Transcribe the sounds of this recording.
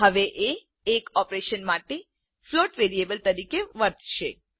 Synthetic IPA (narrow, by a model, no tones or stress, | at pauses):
ɦəʋeʔeː | kɔpɾeʃənmaʈe | floʈʋeɾiebəlt̪əɾikeʋəɾt̪ʰʃḛ